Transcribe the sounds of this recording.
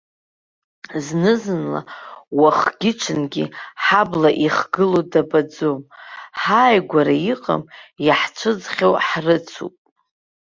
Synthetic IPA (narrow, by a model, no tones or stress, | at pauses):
znɨzɨnla̰waχɡʲɪʈ͡ʂʷʰɨnɡʲḭħablaʔiχɡɨlodabad͡zomħaːjɡʷaɾaiqʼa̰mjaħt͡ʃʷʰɨd͡zχʲawħrɨt͡sʰṵpʼ